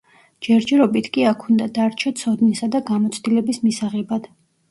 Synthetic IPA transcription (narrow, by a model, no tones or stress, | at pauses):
d͡ʒɛɾd͡ʒɛɾɔbit̪ʰkʼiakʰund̪ad̪aɾt͡ʃʰɔt̪sʰɔd̪nisad̪aɡamɔt̪sʰd̪ilɛbismisaʁɛbad̪̥